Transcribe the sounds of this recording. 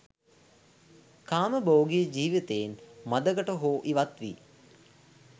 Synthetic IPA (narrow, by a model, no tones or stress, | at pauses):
kaːməboːɡijəd͡ʒiːʋit̪ejinmad̪əɡəʈəɦoːʔiʋat̪ʋḭ